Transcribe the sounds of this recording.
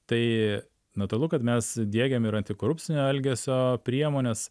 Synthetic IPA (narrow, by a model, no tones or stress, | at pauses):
t̪ɐɪ | nɐt̪ʊɾɐlˠʊkɐt̪mʲɛsd̪ʲiɛɡʲɛmɪɾɐnʲt̪ʲɪkoːɾʊpʲt͡ssʲɪnʲoːɛlʲɡʲesʲoːpʲɾʲiɛmoːnʲeːs